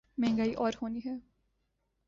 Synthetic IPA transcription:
mɛ̃ːŋɡaːiʔɔːɾɦoːniɦɛː

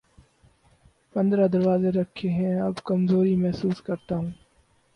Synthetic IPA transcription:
pɐ̃nd̪ɾad̪ɐɾʋaːzeɾɐkʰːeɦɛ̃ɐbkɐmzoːɾimɛɦsuːskɐɾt̪aɦũː

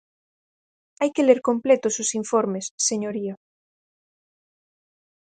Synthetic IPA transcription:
ajkeleɾkõmplet̪ososiɱfoɾmesːeɲoɾia

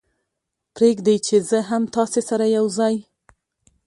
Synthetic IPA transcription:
pɾeɡd̪ejt͡ʃezəɦamt̪ɑsesaɾajawzɑj

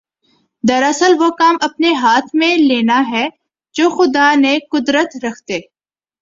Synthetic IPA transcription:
d̪ɐɾɐsəlʋokaːmɐpneɦaːt̪ʰmẽleːnaɦɛ | d͡ʒoːxʊd̪anekʊd̪ɾət̪ɾɐkʰt̪eː

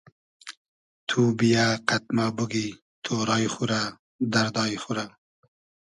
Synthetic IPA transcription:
t̪ʰubijaqat̪̚mabuɡi | t̪ʰoɾɑjχuɾa | d̪aɾd̪ɑːjxuɾa

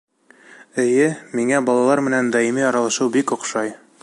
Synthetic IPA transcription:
ɘ̆jɘmiŋæbɒlˠɑlˠɑɾmɘ̆nænd̪ɒimiɒɾɑlˠɑʃɤwbikŏqʃɑj

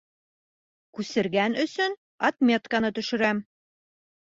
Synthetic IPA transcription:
kʉsɘ̆ɾɡænɵ̆sɵn | ɒt̪mʲet̪kanɤt̪ɵ̆ʃɘ̆ɾæm

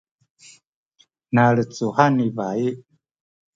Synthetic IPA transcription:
naɾət͡suhanivai

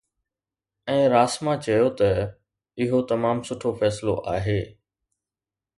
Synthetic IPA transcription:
ɛ̃ːɾaːsmãt͡ɕɐjot̪ɐ | ɪɦot̪ɐmaːmsʊʈʰofɛːslo̰ʔaːɦeː

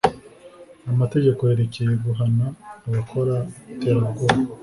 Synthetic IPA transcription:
amate̞ɟe̞ko̞he̞ɾecejeɡuɦanaːβakʰo̞ɾateɾaɡoɾ

